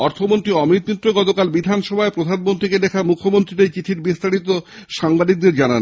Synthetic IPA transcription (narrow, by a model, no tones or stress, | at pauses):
ɔɾt̪ʰomont̪ɾiɔmit̪̚mit̪ːɾoɡɔt̪okalbid̪ʱanʃɔbʱaepɾod̪ʱanmont̪ɾiked̪ɛkʰamukʰːomont̪ɾit̪et͡ɕit̪ʰiɾbist̪aɾit̪oʃaŋbad̪ik̚d̪eɾd͡ʑanan